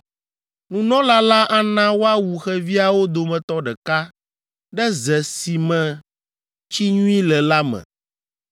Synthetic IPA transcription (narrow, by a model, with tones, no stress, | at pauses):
nũ˨nɔ̃˦la˦la˦ʔa˦nã˦wo˦a˦wu˨xɛ˦vi˦a˨wo˦d̪o˨mɛ̃˨t̪ɔ˦ɖɛ˨ka˦ | ɖɛ˦zɛ˨si˨mɛ̃˨ | t͡ɕi˦ɲũ˦ĩ˦lɛ˨la˦mɛ̰̃˨